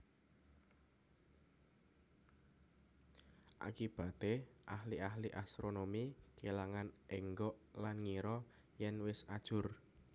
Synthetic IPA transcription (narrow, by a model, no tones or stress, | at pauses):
ʔa̰kib̥a̤t̪eʔahliʔahliʔast̪ɾonomikelaŋanʔeŋɡɔʔlanŋiɾɔ | jɛnwɪsad̥ʒ̥ʊr